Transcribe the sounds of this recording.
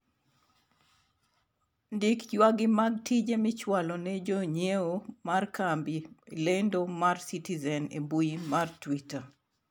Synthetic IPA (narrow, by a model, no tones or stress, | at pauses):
ndikjwaɡɪmaɡ̚tid͡ʒemɪt͡ʃwalɔnɛd͡ʒoɲeomarkambilendomarsitizɛnḛbuimartwita